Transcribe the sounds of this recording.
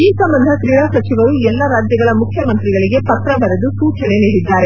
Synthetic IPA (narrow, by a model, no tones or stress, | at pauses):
iːsɐmbɐnd̪ʱɐk̪ɾiːɽaːsɐt͡ʃiʋɐɾuɛlːɐɾaːd͡ʒjɐɡɐɭɐmukʰjɐmɐnt̪ɾiɡɐɭiɡe̞pɐt̪ɾɐbɐɾed̪usuːt͡ʃɐne̞niːɽid̪ːaːɾe̞